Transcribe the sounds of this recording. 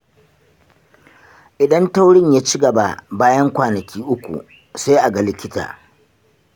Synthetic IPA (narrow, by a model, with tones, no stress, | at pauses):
ʔɪ˨ɗɐ˦nta˦wɽɪ˦ɲjaː˦t͡ʃi˦ɡɐ˨ba˦baː˦jɐ˦ŋkʷaː˨nɐ˨kʲiː˦ʔʊ˦kʷṵ˨ | sa˦jʔa˨ɡa˨lɪ˦kʲɪ˦ta̰ː˨